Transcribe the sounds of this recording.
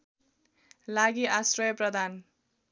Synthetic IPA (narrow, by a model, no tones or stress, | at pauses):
laɡiasrʌjʌprʌd̪ʱan